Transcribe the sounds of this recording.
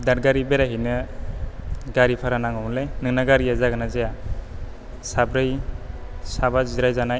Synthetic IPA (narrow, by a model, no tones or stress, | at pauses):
daɾɡaɾibeɾaɦijnɯ | ɡaɾipʰaɾanaŋɔmlejnɯŋnaɡaɾijazaɡɯnazeja | sabɾɯj | sabaziɾajzanaj